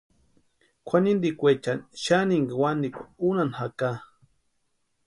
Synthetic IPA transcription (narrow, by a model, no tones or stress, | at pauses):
kʷʰanind̪ikʷet͡ʃanʃaniŋɡawand̪ikʷaunanhaka